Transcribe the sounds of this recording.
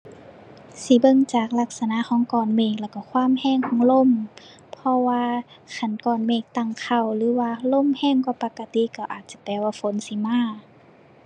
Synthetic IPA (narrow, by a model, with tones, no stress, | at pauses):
si˧˦bɤ˧˨ŋt͡ɕaː˨˩k̚la˧k̚sa˧na˧˨xʰɔː˨˦ŋkɔː˨˩nmeː˧˩k̚lɛː˧˩wka˧˩kʰwaː˧˥˨mhɛː˧˩˨ŋkʰɔː˨˧˦ŋlo˧˨m | pʰɔ˧waː˧kʰa˧˩nkɔː˨˩nmeː˧˩k̚t̪a˧˨ŋkʰa˧˩wlɯː˨˦waː˧lo˧˥˨mhɛː˧˩˨ŋkwaː˧˦pa˧ka˧t̪i˧˨ka˧˩wʔaː˨˩t̪̚t͡ɕa˧˦pɛː˧˩waː˧fo˨˦nsi˧˦maː˧˥˨